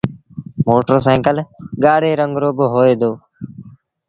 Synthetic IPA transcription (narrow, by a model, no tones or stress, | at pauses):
moːʈɾoːsaːŋkəlɡaːɽeːɾəŋɡɾoːbɦoːeːd̪oː